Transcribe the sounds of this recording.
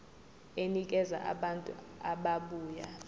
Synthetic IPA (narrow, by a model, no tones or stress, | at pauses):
enik̬ʼɛza̰ʔa̰ɓantʼṵ | aɓaɓuːja